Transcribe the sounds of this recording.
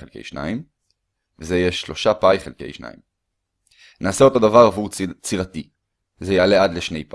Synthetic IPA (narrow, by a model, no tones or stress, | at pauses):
elkḛjʃna̰im | vezejeʃːlo̞ʃapajχelke̞̰jʃna̰ḭm | nʔaːseo̞t̪o̞d̪avaʁavuʁt͡siʁat̪i | zejealead̪leʃne̞jp